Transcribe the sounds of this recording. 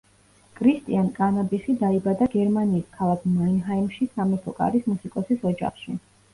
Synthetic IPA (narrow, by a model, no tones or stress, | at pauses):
kʼʰɾist̪ʼḭankʼanabisid̪aibad̪aɡɛɾmaniːskʰalˠakʰmainɦaimʃisamɛɾt̪ʰɔkʼa̰ɾismusikʼɔsisɔd͡ʒa̰χʃi